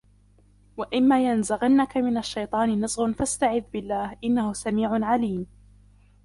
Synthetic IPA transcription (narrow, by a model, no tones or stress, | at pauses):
waʔɪmːaːjanzaɣanːakamɪnaʃːajt̪ˤɑːnɪnɨzˤɣʊnfast̪aʕɪðːbɪlːaːhʔɪnːahʊsamiːʕʊnʕaliːm